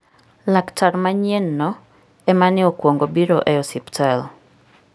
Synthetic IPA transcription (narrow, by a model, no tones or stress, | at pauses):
laktʰarmaɲenːɔ | ɛmanɪɔkwoŋɡobiɾoʔɛɔsiptʰɛl